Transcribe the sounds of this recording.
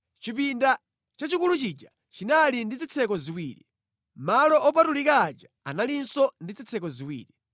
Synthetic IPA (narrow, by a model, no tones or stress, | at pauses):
t͡ʃipinda | t͡ʃat͡ʃikulut͡ʃid͡ʒa | t͡ʃinalindid͡zit͡sʰɛkɔziwiːɾḭ | malɔʔɔpatulikaːd͡ʒa | analinsɔndid͡zit͡sʰɛkɔziwḭːɾi